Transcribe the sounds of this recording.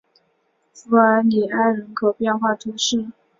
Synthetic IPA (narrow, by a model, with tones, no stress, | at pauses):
f̩˧˥ə˧˥ni˨˩a˥˩ɪɻə˧˥nkʰo˨˩ʊpjɛ˥˧nxwa˥˩t̪ʰu˧˥ʂɻ̩˥˩